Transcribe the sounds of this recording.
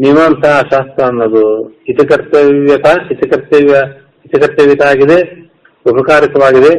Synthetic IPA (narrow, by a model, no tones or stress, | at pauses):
niʋaːnt̪ɐʃaːst̪ɐɐnːɐd̪uit̪ɐkɐɾt̪ɐʋjɐt̪ait̪ɐkɐɾt̪ːɐʋɐ | it̪ɐkɐɾt̪ːɐʋjɐt̪aːɡid̪e | upɐkaːɾikɐʋaːɡid̪e